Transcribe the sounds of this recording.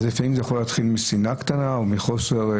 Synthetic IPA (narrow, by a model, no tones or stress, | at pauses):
zefaimzejaχo̞leaːt̪χilmisinakt̪anaomiχoseʁ